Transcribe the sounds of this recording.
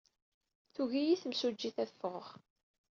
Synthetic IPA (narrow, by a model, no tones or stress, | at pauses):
θuʝijiθəmsud͡ʒːiθæθfəʁʁ